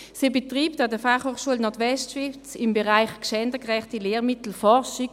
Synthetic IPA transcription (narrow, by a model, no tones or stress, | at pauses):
sibɛtʁiːptadəfaχhoːχʃuəlnɔtʋɛstʃʋɪft͡sɪmbɛʁaɪχkʃɛndəkʁɛχtileːʁmɪtl̩fɔʁʃi